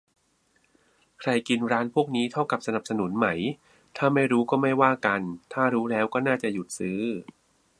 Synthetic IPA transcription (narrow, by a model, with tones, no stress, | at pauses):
kʰɾa˧jki˧nɾaː˦˥npʰu˥˩ək̚niː˦˥t̪ʰa˥˩wka˨˩p̚sa˧na˨˩p̚sa˧nu˩˦nma˦˩j | t̪ʰaː˥˩ma˥˩jɾuː˦˥kɔː˥˩ma˥˩jwaː˥˩ka˧nt̪ʰaː˥˩ɾuː˦˥lɛː˦˥wkɔː˥˩naː˥˩t͡ɕa˨˩ju˨˩t̪̚sɯː˦˥